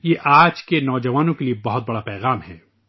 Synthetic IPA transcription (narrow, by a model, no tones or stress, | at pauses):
jeʔaːd͡ʒkenɔːd͡ʒɐʋaːnõkeliebɐɦʊt̪̚bɐɽapɛːɣaːmɦɛː